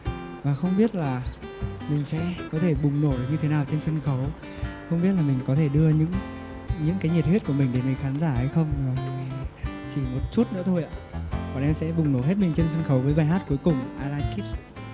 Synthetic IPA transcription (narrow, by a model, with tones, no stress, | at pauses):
vaː˨˩xə˧wŋ͡mɓi˦˥ət̚laː˨˩ | mï˨˩ŋ̟sɛ̰˧˥kɔ˨˦t̪ʰe˧˩ɓʊ˨˩ŋ͡mno˧˩ɗk̚ɲɨ˧t̪ʰe˨˦naː˨˩wt͡ɕe˧nsə˧nxə˨˦w | xə˧wŋ͡mɓi˦˥ət̚laː˨˩mï˨˩ŋ̟kɔ˨˦t̪ʰe˧˩ɗɨ˧əɲɨ̰˧˥ŋ | ɲɨ̰˧˥ŋkaː˨˦jɲi˨˩t̚he˦˥t̚ku˧˩əmï˨˩ŋ̟ɗe˨˩ŋə˨˩xaː˨˦nzaː˧˩hə˧jxə˧wŋ͡ma˨˩˨t͡ɕi˧˩mo˨˩t̚t͡ɕu˦˥t̚nɨ̰˧˥ət̪ʰo˧jʔa̰ː˧˨kɔ˨˩ʔɛ˧msɛ̰˧˥ɓʊ˨˩ŋ͡mno˧˩ɦe˦˥t̚mï˨˩ŋ̟t͡ɕe˧nsə˧nxə˨˦wvəː˨˦jɓaː˨˩ɦaː˦˥t̚ku˨˦jkʊ˨˩ŋ͡mʔaː˧laː˧nki˦˥t̚